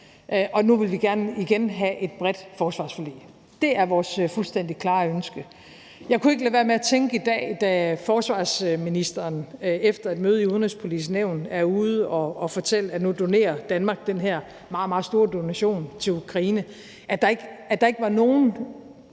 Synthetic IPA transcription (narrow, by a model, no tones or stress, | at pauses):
ʔʔɒ̽nuʋe̝lʋiɡ̥æɐnəiɡ̥enɦæʔe̝d̥̚b̥ʁɛd̥fɒːsʋɑ̈ːsfolḭː | d̥e̝æɐʋɒːsfulsd̥en̰d̥ikʰlɑ̈ːønsɡ̥ə | jɑ̈ɪkʰue̝ɡ̥əlæʋeɐmeæt͡sʰeŋɡ̥əid̥ɛ̰ːd̥æfɒːsʋɑ̈ːsminisd̥ɐːnefd̥ɐæd̥møːð̞̩ˠiuðˠnespʰo̝lḭs̬neʊ̰næɐuð̞̩ˠɒ̽ːfɒ̽t͡sʰel̰əænud̥o̝ne̝̰ːɐd̥ænmɑ̈ːɡ̥̚d̥enɦæɐ̰ | mɑ̈ːð̩ˠmɑ̈ːsd̥o̝ːɐd̥o̝næɕo̝̰ːnt͡sʰe̝lukʰʁɑiːnə | ʔæd̥ɑ̈e̝ɡ̥æd̥ɑ̈e̝ɡ̥əʋɑ̈no̝ːn̩